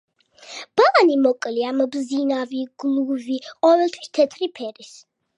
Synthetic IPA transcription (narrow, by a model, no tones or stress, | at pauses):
b̥animɔkʼliambzinaviɡ̥lˠuviqʼɔvɛlˠt̪ʰwi̥st̪ʰɛt̪ʰɾipʰɛɾis